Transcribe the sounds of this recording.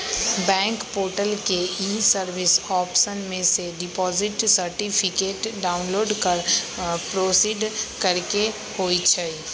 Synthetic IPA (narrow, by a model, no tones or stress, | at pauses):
bɛ̃ːŋkpoːɾʈəlkeiːsəɾʋɪsɔːpʃənmẽseɖɪpɔːzɪʈsəɾʈipʰɪkeːʈɖaːʊnloːɖkəɾpɾoːsiːɖkɐɾke | hoːit͡ʃʰai